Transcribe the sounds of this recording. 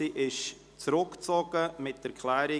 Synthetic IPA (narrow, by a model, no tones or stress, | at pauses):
iʔɪʃ | t͡sɾʊkt͡sɔɡ̥əmɪtəɾkʰlɛːɾɪ